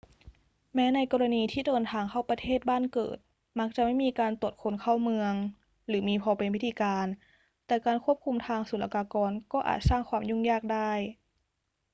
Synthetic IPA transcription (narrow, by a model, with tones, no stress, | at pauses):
mɛː˦˥na˧jkɔː˧la˧niː˧t̪ʰiː˥˩dɤː˧nt̪ʰaː˧ŋkʰa˥˩wpa˧t̪ʰeː˥˩t̪̚baː˥˩˨nkɤ̰ː˨˩t̪̚ | ma˦˥k̚t͡ɕa˨˧˩ma˥˩˨jmiː˧kaː˧nt̪u˨˩ət̪̚kʰo˧˦nkʰa˥˩wmɯ˧əŋ | lɯː˩˦miː˧pʰɔː˧pe˧npʰi˦˥t̪ʰiː˧kaː˧n | t̪ɛː˨˩kaː˧nkʰu˥˩əp̚kʰu˧mt̪ʰaː˧ŋsu˨˩˦lʔa̰˧kaː˧kɔː˧nkɔː˥˩ʔa̰ː˨˩t̪̚saː˥˩ŋkʰwaː˧mjuː˥˩ŋjaː˥˩k̚daː˥˩j